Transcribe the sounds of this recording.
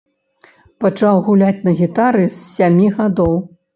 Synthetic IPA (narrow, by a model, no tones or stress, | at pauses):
pɐt͡ʂawɣulʲat͡sʲnɐɣʲit̪aɾɨsːʲamʲiɣad̪ɔw